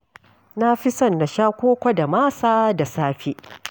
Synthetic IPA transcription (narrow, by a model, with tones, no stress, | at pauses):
na˦ɸɪ˦sɐ˦˨nːa˨ʃaː˦kʷoː˦kʷa˦da˨maː˦saː˦da˨saː˦ɸi˦ʔ